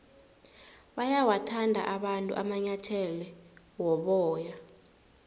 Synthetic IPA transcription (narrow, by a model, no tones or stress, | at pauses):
ɓajawatʰandʱa̰ʔaɓantʼṵʔamaɲatʰɛlɛ | wɔɓɔːja